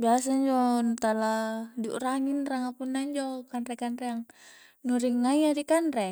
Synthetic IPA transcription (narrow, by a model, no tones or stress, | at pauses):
bias̬aiɲd͡ʒɔnut̪aladṵʔraŋinraŋapunːaiɲd͡ʒɔkanɾɛkanɾɛjaŋ | nuɾiŋːaiaɾikanrɛ